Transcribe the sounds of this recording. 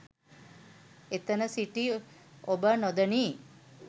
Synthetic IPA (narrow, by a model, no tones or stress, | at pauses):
et̪ənəsiʈiobənod̪əniː